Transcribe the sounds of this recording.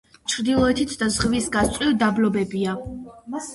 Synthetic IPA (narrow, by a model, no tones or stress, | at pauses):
t͡ʃʰɾd̪ilˠɔɛt̪ʰit̪ʰd̪azʁvisɡastsʼwiɾd̪ablɔbɛbia